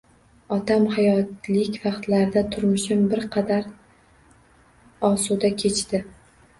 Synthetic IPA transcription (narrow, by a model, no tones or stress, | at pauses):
ɒt̪ʰamhajɒt̪lɪkʲvɑqt̪laɾɪd̪at̪ʰʊɾmʊʃɪmbɪɾqʰɑd̪aɾ | ɒsud̪akʲʰe̞t͡ʃd̪ɪ